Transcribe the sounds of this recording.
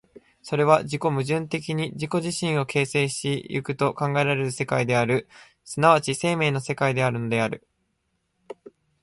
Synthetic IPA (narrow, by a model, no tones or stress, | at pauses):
so̞ɾe̞β̞aʑiko̞mɯ̟ʑɨ̃nt̪e̞k̬ʲiɲ̟iʑiko̞ʑiɕĩɰ̃o̞ke̞ːse̞ːɕt̪ejɯ̰kɯ̟t̪o̞kãŋɡaeɾaɾe̞ɾɯ̟se̞kaid̪e̞aɾɯ̟ | sɨnaβ̞at͡ɕise̞ːme̞ːno̞se̞kaid̪e̞aɾɯ̟no̞d̪e̞aɾɯ̟